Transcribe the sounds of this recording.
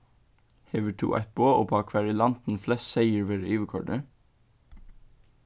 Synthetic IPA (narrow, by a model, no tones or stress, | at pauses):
heːʋəʈʰṵːʔæ̰ɪt̪̚boːo̰ːpʰoɑːkʰʋæːɹiːlɑnt̪n̩flɛsseɪəɹʋeːɾəʔyːʋəkʰɔ̰ɖə